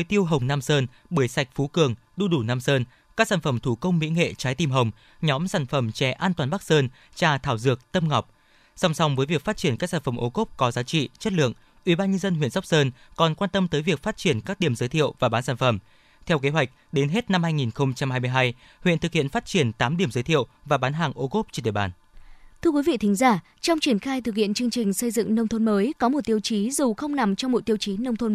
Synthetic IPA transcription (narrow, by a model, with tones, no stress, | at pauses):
jt̪i˧əwɦə˨˩wŋ͡mnaː˧msəː˧n | ɓɨ˧˩əjsa˨˩jk̚fu˨˦kɨ˨˩əŋ | ɗu˧ɗu˧˩naː˧msəː˧n | kaː˦˥k̚saː˧˩nfə˧˩mt̪ʰu˧˩kə˧wŋ͡mmḭ˧˥ŋḛ˧˨t͡ɕaː˨˦jt̪i˧mɦə˨˩wŋ͡m | ɲɔ˨˦msaː˧˩nfə˧˩mt͡ɕɛ˧˩ʔaː˧nt̪waː˨˩nɓa˦˥k̚səː˧n | t͡ɕaː˧˩t̪ʰaː˧˩wzɨ˨˩ək̚t̪ə˧mŋa˨˩wk͡p̚ | sa˧wŋ͡msa˨˦wŋ͡mvəː˨˦jvi˨˩əkfaː˦˥t̚t͡ɕi˧˩ənkaː˦˥k̚saː˧˩fə˧˩mʔo˨˧˦ko˦˥p̚kɔ˨˦zaː˨˦t͡ɕḭ˧˨t͡ɕə˦˥t̚lɨ̰˧˨əŋ | ʔwi˧˩ɓaː˧nɲə˧nzə˧nɦwḭ˧˨ənswk͡p̚səː˧nkɔ˨˩nkwaː˧nt̪ə˧mt̪əː˨˦jvi˨˩ək̚faː˦˥t̚t͡ɕi˧˩ənkaː˦˥k̚ɗi˨˩əmzəː˨˦jt̪ʰḭ˧˨əwvaː˨˩ɓaː˨˦nsaː˧˩nfə˨˩m | t̪ʰɛ˧wke˨˦ɦwa˨˩jk̟̚ɗe˨˦nɦe˦˥t̚na˧mhaː˧jŋi˨˩nxə˧wŋ͡mt͡ɕa˧mhaː˧jmɨ˧jɦaː˧j | hwḭ˧˨nt̪ɨ˨˩k̚hḭ˧˨ənfaː˦˥t̚t͡ɕi˧˩ənt̪aː˨˦mɗi˧˩əmzəː˨˦t̪ʰi˧˨əwvaː˨˩ɓaː˨˦nɦaː˨˩ŋʔo˧ko˦˥p̚t͡ɕɔ˧ɗ̰ɓaː˨˩n | t̪ʰɨ˧əkwi˨˦vḭ˧˨t̪ï˨˦ŋ̟zaː˧˩ | t͡ɕɔ˧wŋ͡mt͡ɕi˧˩ənxaː˧jt̪ɨ˨˩k̚hḭ˧˨ənt͡ɕɨ˧əŋt͡ɕï˨˩ŋ̟sə˧jzɨ̰˧˨ŋnə˧wŋ͡mt̪ʰo˧nməː˨˦jkɔ˨˦mo˨˩t̚t̪i˧əwt͡ɕi˨˦zu˨˩xə˧wŋ͡mna˨˩mt͡ɕɔ˧wŋ͡mmo˨˩t̚t̪i˧əwt͡ɕi˨˦nə˧wŋ͡mt̪ʰo˧n